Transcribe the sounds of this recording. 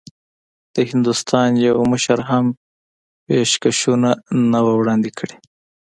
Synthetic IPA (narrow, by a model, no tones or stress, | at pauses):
d̪̥əhɪnd̪ust̪ʰɑnjawməʃaɾɦam | peʃkaʃunanawawɽɑnd̪ikʰəɽe